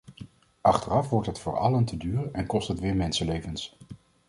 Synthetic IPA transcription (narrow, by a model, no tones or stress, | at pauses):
ʔɑχtərɑfʋɔɹtɦətfʊːɹɑ̰ləntədyːrəʔɛnkɔstɦətʋɪːɹmɛnsəlejvəns